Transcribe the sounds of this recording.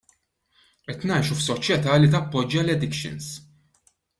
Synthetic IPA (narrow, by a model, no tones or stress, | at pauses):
ʔɛt̪nɐjʃufsɔt͡ʃjɛt̪ɐːlit̪ɐpːɔd͡ʒːɐlɛd̪ɪkʃɪ̰ns